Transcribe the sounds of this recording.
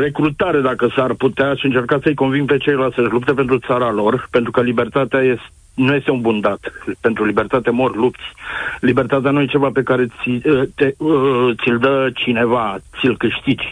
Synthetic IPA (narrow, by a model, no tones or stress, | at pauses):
re̞kɾut̪aɾe̞d̪akəsarput̪eaʃiɨnt͡ʃe̞rkat̪səɨjko̞nvinŋ̚pe̞t͡ʃe̞jlasəʒlup̚t̪e̞p̬e̞nt̪ɾut̪saɾalo̞rpe̞nt̪ɾukəlibe̞rt̪at̪eajes | nuje̞st̪eunbund̪at̪pe̞nt̪ɾulibe̞rt̪at̪emorʲlup̚t̪sʲlibert̪at̪eanuje̞t͡ʃe̞vape̞kaɾe̞it̪et̪sʲild̪ət͡ʃine̞vat̪silkɨʃt̪id͡ʒʲ